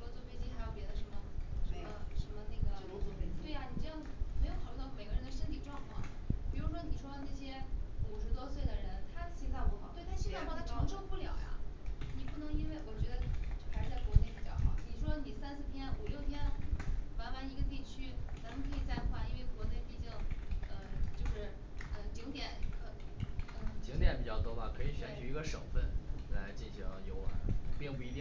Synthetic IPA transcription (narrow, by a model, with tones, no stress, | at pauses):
wɔ˥t͡swɔ˥˧˩fe˥˧ɪt͡ɕi˥xa˧˥ɪjo˨˩ʊpjɛ˧˥d̪ə˧ʂə˧˥mə˧ʂə˧˥˧mə˧ʂə˧˥nmə˧ne˥˩ɡə˩˧˥ɔ˥˧fe˧˥t̪we˥˩ɪa˩ni˨˩ʈ͡ʂjɑ˥˩ŋd͡zə˩me˧˥jxɑ˨˩ljt̪ɑ˥˩me˨˩ɪɡə˥ɻə˧˥nd̪ə˧ʂə˥nt̪ʰi˨˩ʈ͡ʂwɑ˥˧ŋkʰwɑ̰˥˩ŋpi˨˩ɻu˧˥ʂwɔ˥ni˨˩ʂwɔ˥˧na˥˩ɕjɛ˥u˨˩ʂɻ̩˧˥t̪wɔ˥swe˥˩ɪd̪ə˩ɻə˧˥nt̪ʰa˥t͡ɕʰi˥sa˥˧ɪpu˧˥xt̪wɪa˥ʂi˥˩˥w̪a˥ʈ͡ʂʰɑ˧˥ʂɤ˥ŋpu˥˩ljɑ˨˩ʊjɐ̰˦ni˨˩pu˥˩nɤ˧˥ŋi˥nwe˥˩ɪwɔ˨˩t͡ɕɥɛ˧˥d̪ə˧o˥˩kʰa˧˥ɻ̩˧t͡sa˥˩ɪkwɔ˧˥ne˥˩ɪpi˨˩t͡ɕjɑ̰˥˩ʊxɑ̰˨˩˦ni˨˩ʂwɔ˥ni˨˩sa˥nsɹ̩˥˩p̪ʰjɛ˥nu˨˩ljo˥˩ʊt̪ʰjɛ˥nwa˧˥nma˧˥ni˧˥ɡə˧t̪̬i˥˩t͡ɕʰy˥t͡sa˧˥mə˧kʰɤ˧˥i˨˩t͡sa˥˩ɪxʰwa˥i˧˥˧we˥˩ɪkwɔ˧˥ne˥˩ɪpi˨˩t͡ɕɑ˥˧˩ʊə˧t͡ɕjo˥˧ʊʂɻ̩˥˩ | ə˧˩t͡ɕi˧˥ŋt̪jɛ˨˩˦nkʰɤ˧˩˧ə˧˥˩t͡ɕi˧˥ŋt̪jɛ˨˥npi˨˩t͡ɕɑ˥˩ʊt̪wɔ˥pa˥˩kʰɤ˧˥i˨˩ɕɥɛ˧˥nt͡ɕʰy˨˩i˧˥ɡə˧ʂɤ˨˩ŋfə˥˩nla˧˥ɪt͡ɕi˥˩nɕi˧˥ŋjo˨˩ʊ̰˧˦pi˥˧ŋpu˥˩i˧˥t̪jɛ˥˧˩